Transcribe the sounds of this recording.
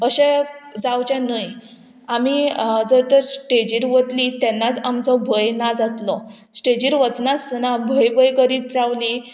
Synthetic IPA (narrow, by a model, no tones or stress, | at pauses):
əɕed͡zawt͡ɕɛ̃nəj | amid͡zəɾt̪əɾsʈed͡ʑiɾʋət̪lit̪ɛnːat͡samt͡sɔbʱəjnad͡zat̪lɔ | sʈed͡ʑiːɾʋət͡snasnabʱəjbʱəjkəɾiːt̪ɾaʋli